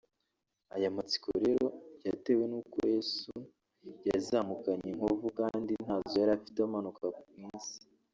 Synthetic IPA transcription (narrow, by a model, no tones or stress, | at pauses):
ajamat͡si̥ko̰ɾeɾojate̞we̞nukoesu | jazamukaɲeŋ̥hovukandin̥haːzojaɾafitamanukakumwiːnsi̥